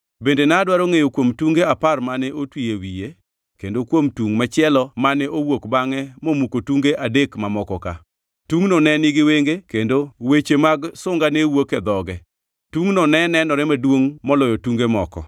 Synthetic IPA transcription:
bendenadwaɾoŋejokwomtuŋɡeaparmanɛʔotwijewije | kendokwomtuŋmat͡ʃɪɛlɔmanɛʔowokbaŋɛmomukotuŋɡeʔadekmamɔkɔka̰ | tuŋnɔnɛnɪɡɪweŋɡekendowet͡ʃemaɡsʊŋɡanewokɛd̪ɔɡɛ | tuŋnɔnɛnɛnɔɾɛmadwoŋmɔlɔjɔtuŋɡemɔkɔ̰

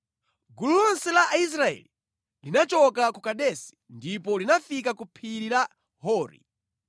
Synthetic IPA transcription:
ɡululɔnsɛlaʔais̬ɾaɛ̰li | linat͡ʃɔkakukaɗɛsi̥ndipɔlinafikakupʰiɾila | hɔːɾḭ

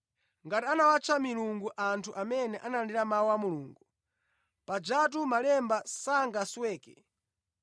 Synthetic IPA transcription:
ŋɡatianawat͡ʃʰamiluŋɡuʔantʰuʔamɛnɛʔanaandiɾamaɔwamuluːŋɡu | pad͡ʒat̬umalɛmbasaŋɡaswɛːkɛ̰

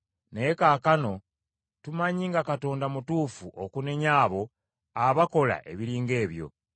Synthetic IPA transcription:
nejekaːkano̞ | tumaɲiːŋɡakato̞ːndamutuːfuʔokune̞ɲaːβo̞ | aβako̞la̰ʔe̞̰βiɾiːŋɡe̞ːβjo̞̰

